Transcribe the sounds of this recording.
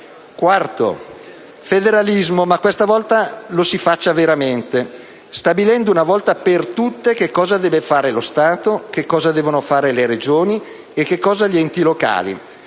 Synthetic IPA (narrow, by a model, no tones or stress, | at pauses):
kwart̪o̰ | fed̪eɾalizmomakːwest̪avɔlt̪alosifat͡ʃːaveɾament̪e | st̪abilɛnd̪ounavɔlt̪apert̪ut̪ːek̟ekːɔːzad̪ɛːvefaːɾelost̪aːt̪ok̟ekːɔːzad̪ɛːvonofaːɾeleɾed͡ʒoːni | ek̟ːekːɔːzaʎiɛnt̪iloka̰ːlḭ